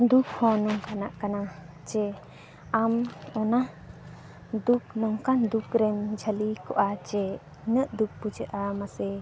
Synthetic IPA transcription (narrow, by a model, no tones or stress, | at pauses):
d̪uk̚hɔnɔŋkana̰ʔkana | t͡ʃɛ | amɔna | d̪uk̚nɔŋkand̪ukɾɛmd͡ʒʱəlikɔʔat͡ʃɛ | nəʔd̪uk̚pud͡ʒəʔamasɛ